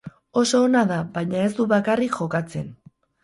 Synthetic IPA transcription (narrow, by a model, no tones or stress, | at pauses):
o̞so̞ːnaðabajɲae̞zd̪uβakarikʝo̞kat͡se̞n